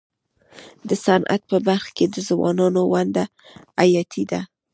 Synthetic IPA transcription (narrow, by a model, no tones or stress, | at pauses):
d̪əsanʔa̰t̪̚pəbaɾxked̪əzwɑ̰nɑnowand̪a | ajɑt̪ʰid̪a